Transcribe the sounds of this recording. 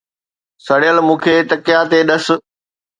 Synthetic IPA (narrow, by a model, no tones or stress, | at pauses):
sɐɽɪjəlmũːkʰeːt̪ɐkɪjat̪eɗɐs̆